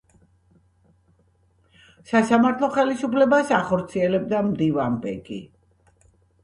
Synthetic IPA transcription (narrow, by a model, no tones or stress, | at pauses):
sasamaɾt̪ʰlˠɔχɛlisupʰlɛbasaχɔɾt̪sʰiɛlɛb̚d̪amd̪ivanbɛ̰ɡḭ